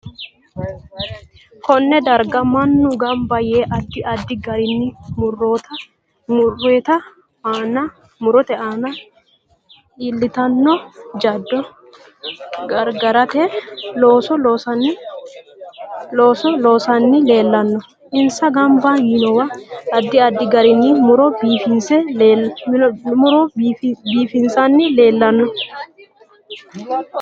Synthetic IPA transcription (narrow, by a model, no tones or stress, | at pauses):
kɔnːɛd̪ɐɾɡɐmɐnːʊɡɐmbɐje̞ːʔɐd̪ːɪʔɐd̪ːɪɡɐɾɪnːɪmʊrːoːt̪ɐ | mʊrːeːt̪ɐ | aːnɐ | mʊɾɔt̪ɛʔanɐ | iːlːɪt̪ɐnːɔd͡ʒɐd̪ːɔ | ɡɐɾɡɐɾɐt̪eːloːsɔloːsɐnɪ | loːsɔloːsɐnːɪleːlːɐnːɔ | ɪnsɐɡɐmbaːnjinɔwɐɐd̪ːɪɐd̪ːɪɡɐɾɪnːɪmʊɾɔbiːfɪnsɛ | mʊɾɔbiːfɪnsɐnːɪle̞ːlːɐnːɔ